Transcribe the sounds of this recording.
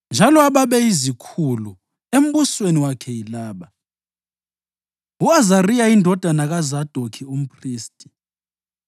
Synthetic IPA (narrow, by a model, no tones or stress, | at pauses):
nd͡ʒʱalɔaɓaɓɛizikʰulu | em̩ɓusweniwakʰɛjilaːɓa | uazarijaindʱɔd̥ʱanak̬azad̥ʱokʰium̩pʰriːstʼi̥